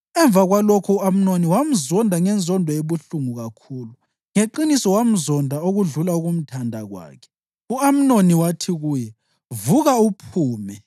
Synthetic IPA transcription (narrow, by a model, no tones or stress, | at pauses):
ɛɱb̪vaɣwalokʰuːam̩noniwam̩zɔndʱaŋɛnd͡zʱɔndʱɔjeβuɬuŋuɣakʰuːlu | ŋeǃinisɔwam̩zɔndʱaoɣuɮulauɣum̩tʰandʱaɣwa̰ːkʰɛ̥ | uam̩noniwatʰiɣuːjɛ | vuɣaupʰuːmɛ